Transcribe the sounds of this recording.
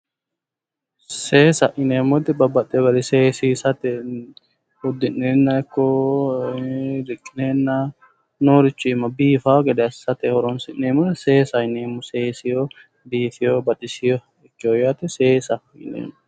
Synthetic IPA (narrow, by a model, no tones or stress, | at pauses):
seːsɐʔɪneːmɔt̪ɛbɐbːɐt̪ʼːɛbɐd̪ɛseːsisɐt̪ɛ | ʊd̪ːɪnːeːnːɐɪkːɔ | dɪkʼːɪneːnːa | noːɾɪt͡ʃːʊɪmːɐbiːfaɡɛd̪ɛsɐt̪ɛhɔɾɔnsɪnːeːmʊd̪ɛseːsɐɪneːmːʊseːsɪjo | b̪iːfɪjobɐt̪ɪsɪjɔ | ɪkːɪjɔjat̪ɛseːsɐ | ɪ̰nḛːmʊ